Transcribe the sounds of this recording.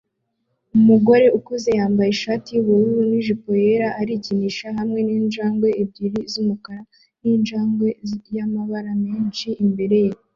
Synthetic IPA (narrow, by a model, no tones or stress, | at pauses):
umuɡo̞ɾe̞ukuze̞jaːmbajeʃaːtiwoɾuuniʒipojeɾaʔaɾiciniʃaɦamŋe̞niːnʒaːŋɡwe̞ib̚ɟiɾizumukaɾa | niːnʒaːŋɡwe̞jamaβaɾamiːnt͡ʃiːmbe̞ɾe̞je